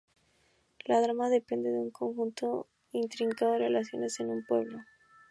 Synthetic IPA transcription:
laðɾamaðe̞pend̪e̞ðeuŋkoŋxunt̪o | int̪ɾiŋkaðoerelas̬jo̞̰ne̞se̞numpwe̞̰βlo

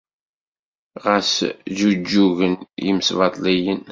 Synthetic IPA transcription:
ʁəszud͡ʒːuʝənjḭməsvɑt̪ˤlijən

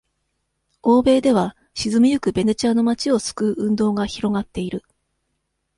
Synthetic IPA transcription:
o̞ːbe̞ːd̪e̞β̞a | ɕizɨmʲijɯ̟kɯ̟be̞ne̞t͡ɕaːno̞mat͡ɕio̞sɨ̥kɯ̟ʔɯ̟̃nd̪o̞ːɡaçiɾo̞ɡat̪ːe̞iɾɯ̟

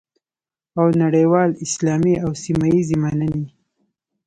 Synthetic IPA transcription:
awnaɽəjwɑlɪslɑmiawsimajizemanəne

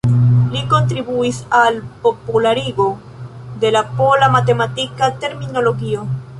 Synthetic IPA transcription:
liko̞nt̪ɾibuisalpopulaɾiɡo | d̪e̞lapolamat̪e̞mat̪ikat̪e̞ɾmino̞loɣio

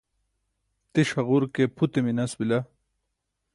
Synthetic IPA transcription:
t̪eʂɐɣuɾkepʰut̪eminɐsbilɐ

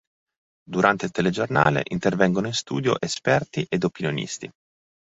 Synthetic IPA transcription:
d̪uɾʔant̪eilt̪eled͡ʒorna̰ːlḛʔint̪ervɛŋɡonoinst̪uːd̪jo̰ʔespɛrt̪iʔed̪opinjonḭst̪i

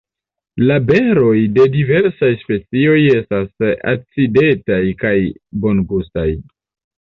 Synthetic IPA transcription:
labe̞ɾo̞jde̞dive̞ɾsajspe̞t͡sio̞je̞stasa̰t͡side̞tajkajbo̞nɡustaj

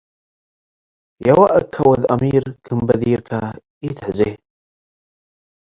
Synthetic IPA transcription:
jawaʔəkʰːawəða̰miːɾkʰɨmbaðiːɾkʰa | it̪ħze

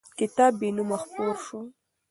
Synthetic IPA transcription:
kɪt̪aːbːenumaxpoɾʃo

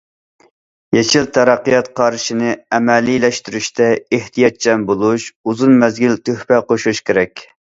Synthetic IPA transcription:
jet͡ʃʰilt̪ʰɛɾɑqːijɑt̪qʰɑɾʃinɪɛmɛlːilɛʃt̪yɾyʃt̪ʰɛeht̪ʰijɑt̪̚d͡ʒʰɛmbolˠuʃuzunmɛzɡʲilt̪ʰøhpɛqoʃuʃkʲeɾɛkʲ

